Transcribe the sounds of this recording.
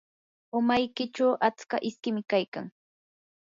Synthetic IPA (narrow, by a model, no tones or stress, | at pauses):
ʊmajkɪt͡ʃawʔat͡skaʔɪskɪmɪkajka̰ŋ